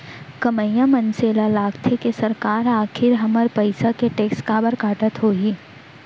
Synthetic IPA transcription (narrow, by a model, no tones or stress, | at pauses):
kɐməjãmɐnseːlalaːɡt̪ʰekesɐɾkaːɾaːkʰɪɾɦɐməɾpɐɪsakeʈeːkskaːbəɾkaːʈət̪ɦoːɡiː